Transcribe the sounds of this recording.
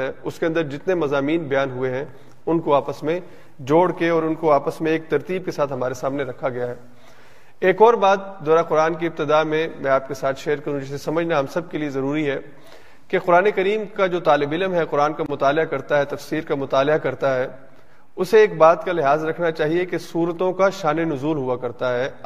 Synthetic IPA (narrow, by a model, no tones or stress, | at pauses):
ɛʊskeɐ̃nd̪əɾd͡ʒɪt̪nemɐzaːmiːnbɐjaːnɦueɦɛ̃ | ʊnkoaːpəsmẽ | d͡ʒoːɽkeɔːɾʊnkoaːpəsmẽeːk̚t̪ɐɾt̪iːb̚kesaːt̪ɦɐmaːɾesaːmneɾɐkʰaɡɐjaɦɛː | eːkɔːɾbaːd̪̚d̪ɔːɾaqʊɾaːnk̬iɪp̚t̪ɪd̪aːmẽmɛ̃ːaːp̚kesaːt̪ʰʃeːɾkɐɾũd͡ʒɪsesɐməd͡ʒʱnaɦɐmsɐb̚keliezɐɾuːɾiɦɛ | keqʊɾaːnekɐɾiːmkad͡ʒoːt̪aːlɪbɪlmɦɛqʊɾaːnkamʊt̪aːlɪakɐɾt̪aɦɛt̪ɐfsiːɾkamʊt̪aːlɪakɐɾt̪aɦɛː | ʊseeːk̚baːt̪kalɪɦaːzɾɐkʰnat͡ʃaːɦiekesuːɾət̪õkaʃaːnenʊzuːlɦuakɐɾt̪aɦɛː